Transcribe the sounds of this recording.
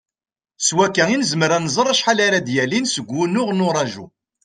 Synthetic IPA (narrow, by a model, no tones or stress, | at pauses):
swækːæinəzəmɾænzˤərˤːæʃħalaɾad̪jælinsəɡʷːunʊʁnʊɾˤɑʒṵ